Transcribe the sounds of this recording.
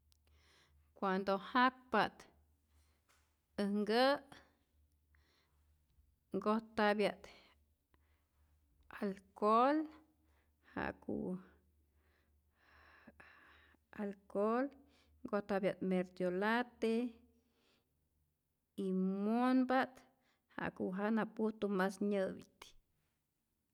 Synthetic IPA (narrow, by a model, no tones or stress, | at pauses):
kʷwand̪ohak̚pat̪ | əhŋɡəʔ | ŋɡoht̪abjaʔt̪ | alkol | ha̰ʔkṵ | alkol | ŋɡoht̪abjat̪meɾd̪jolat̪e | imonbat̪ | ha̰ʔkuʔɦanapuht̪umasɲɨbit̪